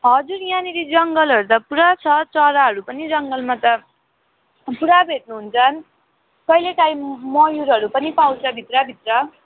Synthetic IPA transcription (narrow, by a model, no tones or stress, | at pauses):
ɦʌd͡zurjãniɾid͡zʌŋɡʌlɦʌɾut̪ʌpuɾat͡sʰʌt͡sʌɾaɦʌɾupʌnid͡zʌŋɡʌlmat̪ʌ | puɾabʱeʈ̚nuɦunt͡sʰʌn | kʌjleʈaimmʌjuɾʌɾupʌnipawt͡sʌbʱit̪rʌbʱit̪rʌ